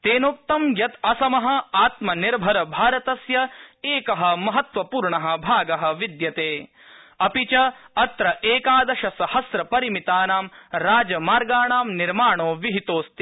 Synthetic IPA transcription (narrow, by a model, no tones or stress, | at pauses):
t̪eːnoːk̚t̪ɐmjɐt̪ɐsɐmɐɦɐ̆aːt̪mɐniɾbʱɐɾɐbʱaːɾɐt̪ɐsjɐeːkɐɦɐ̆mɐɦɐt̪ʋɐpuːɾɳɐɦɐ̆bʱaːɡɐɦɐ̆ʋid̪jɐt̪eː | ɐpit͡ʃɐɐt̪ɾɐʔeːkaːd̪ɐʃɐsɐhɐsɾɐpɐɾimit̪aːnaːmɾaːd͡ʒɐmaːɾɡaːɳaːmniɾmaːɳoːʋiɦit̪oːst̪i